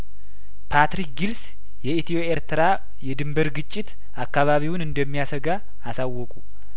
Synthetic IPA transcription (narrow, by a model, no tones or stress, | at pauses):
pʰat̪ɾik̚ɡils | jɛit̪ʰioeɾt̪ʰəɾa | jɛd̪ɨmbəɾɡɨt͡ʃʼːɪt̪ | ʔakːaβaβiwnɨnd̪əmːijasəɡaː | sawːɔkʼu